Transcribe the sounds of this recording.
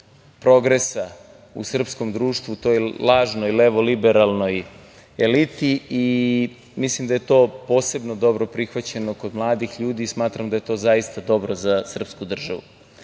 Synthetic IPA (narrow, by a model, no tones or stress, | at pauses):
pɾo̞ɡɾe̞sa | ṵsr̩psko̞md̪ɾuːʃt̪ʋut̪oːjlˠaːʒnojleʋolibeɾalˠno̞j | elit̪iː | mislimd̪aje̞t̪o̞ːpo̞ːse̞bnod̪o̞bɾo̞pɾixʋat͡ɕe̞no̞kod̪mlˠaːd̪ixʎuːd̪iːsmaːt̪ɾamd̪aje̞t̪o̞ːzaist̪ad̪o̞bɾo̞zasr̩pskud̪r̩ʒaʋṵ